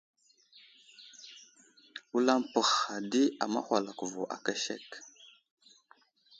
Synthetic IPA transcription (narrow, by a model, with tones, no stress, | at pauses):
wu˦la˦mpə˨xa˨di˦a̰˨ma̰˦xʷa˨la˨ku˨vo˨ʔa̰˨ka˦ʃḛ˦˨k